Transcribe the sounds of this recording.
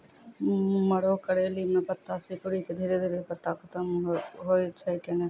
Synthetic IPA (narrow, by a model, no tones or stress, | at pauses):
məɽoːkəɽeːliːmɛ̃ːpət̪ːaːsiːkʊɽiːked̪ʱeːɾeːd̪eːɾeːpət̪ːaːkʰət̪əmɦoːiətːʃʰaːiːkɛːneː